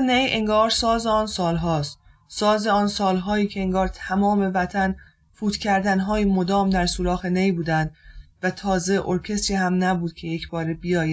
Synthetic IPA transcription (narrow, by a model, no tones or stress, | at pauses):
nejʔeŋɡɒːɾsɒːze̞ɒːnsɒːlɦɒːst̪ | sɒːze̞ɒːnsɒːlɦɒːjiːcʰeeŋɡɒːɾt̪ʰæmɒːme̞væt̪ʰæn | fuːt̪cʲʰæɾd̪ænɦɒːjimo̞d̪ɒːmd̪æɾsuːɾɒːxenejbuːd̪ænd̪væt̪ʰɒːze̞ʔoɾcʰe̞st̪iːɦæmnæbuːd̪̥cʰe̞jecʰbɒːɾebijɒːjæ